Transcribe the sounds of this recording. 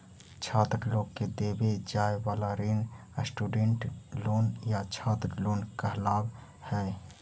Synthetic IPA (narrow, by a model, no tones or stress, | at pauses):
t͡ʃʰaːt̪ɾloːɡked̪eːbed͡ʒaːeʋaːlaɾin | əsʈuːɖẽɳʈloːnjat͡ʃʰaːt̪ɾloːnkəɦlaːb | hɛː